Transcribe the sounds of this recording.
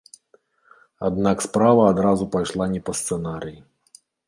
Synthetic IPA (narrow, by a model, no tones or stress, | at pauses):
a̰d̪nakspɾavɐːd̪ɾazupajʂlˠanʲɛpɐst̪sɛnaɾɨji